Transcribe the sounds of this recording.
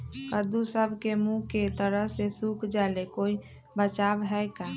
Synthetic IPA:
kəd̪usəbʱkemũket̪əɾəɦsesukd͡ʒalekoi | bət͡ʃabɦɛjka

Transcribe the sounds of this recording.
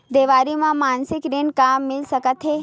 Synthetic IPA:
d̪eːʋaːɾimãmaːnsɪkɾeɳkamːɪlsəkət̪ɦe

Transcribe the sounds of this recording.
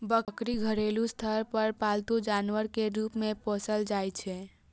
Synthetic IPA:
bəkɾiɡʱəɾelũst̪ʰəɾpəɾpalt̪ũd͡ʒanʋəɾkeɾupmẽpɔsəld͡ʒajt͡ʃʰe

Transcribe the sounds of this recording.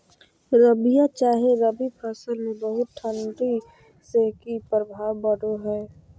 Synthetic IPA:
ɾəbijãt͡ʃaːɦeɾəbipʰəsəlmẽbəɦʊt̪̚ʈʰə̃ɳɖi | sekipɾəbʱaːwbəɽoɦɛː

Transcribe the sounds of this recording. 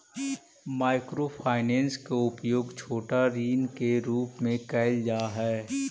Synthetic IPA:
maːɪkɾopʰaːɪnɛ̃ːnskaʊpjoːɡt͡ʃʰoːʈaɾiːnkeɾuːpmẽkɛːld͡ʒaːɦɛː

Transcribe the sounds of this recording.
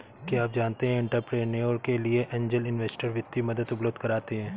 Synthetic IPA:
kiaːpd͡ʒaːnt̪eɦɛ̃ɪ̃ɳʈəɾpɾeːʈneɔːɾkelieʔɛ̃ːɲd͡ʒəlɪnʋeːsʈəɾʋjɪt̪ːimɐd̪ət̪ʊpləb̚d̪kɐɾaːt̪eɦɛ̃ː

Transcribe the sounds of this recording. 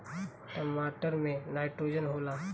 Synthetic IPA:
ʈəmaːʈəɾmẽnaːɪʈɾoːd͡ʒənɦoːlaː

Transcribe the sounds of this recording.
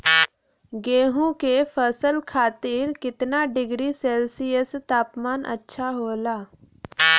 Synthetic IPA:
ɡeːɦũkepʰəsəlkʰaːt̪ɪɾkɪt̪naɖɪɡɾiseːlsijəst̪aːpmaːnʔə̰tːʃʰaɦoːlaː

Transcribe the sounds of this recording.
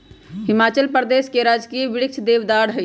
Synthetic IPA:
ɦɪmaːt͡ʃəlpəɾd̪eskeɾad͡ʒkiəʋɪɽik̚t͡ʃʰd̪eʋd̪aɽɦəɪ

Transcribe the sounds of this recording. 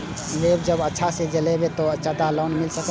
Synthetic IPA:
leːbd͡ʒəbətːʃʰased͡ʒəlebet̪oɐt͡ʃʰat̪alɔːnmɪlsək

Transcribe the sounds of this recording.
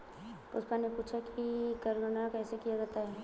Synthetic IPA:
pʊ̰spanepuːt͡ʃʰakʰikɐɾɾənakɛːsekijad͡ʒɛːt̪aɦɛː

